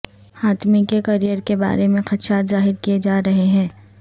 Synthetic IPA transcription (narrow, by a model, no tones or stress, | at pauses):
haːt̪mikekɐɾijəɾkeba̰ːɾemẽxɐt̪ʃaːt̪zaːɦɪɾkijed͡ʒaːɾɐɦeɦɛ̃ː